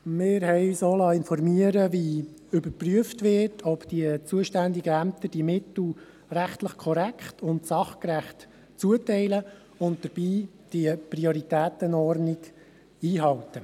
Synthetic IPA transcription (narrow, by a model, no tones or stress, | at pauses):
mɪːɾɦɛɪsoːlɑːɪnfɔrmiəɾəʋi | ʏbəɾpryəftʋɪtʰɔpd̥iət͡suəʃtændɪɡəæmt̪əd̥imɪt̪l̩ | ræχtləχkʰɔɾækχtʰʊntsɑχkɾæχt | t͡suətɛɪlə | ʊnt̚d̥əɾb̥iː | d̥iəpriɔɾitæːtənɔrnɪɡ | iːɦɑwtə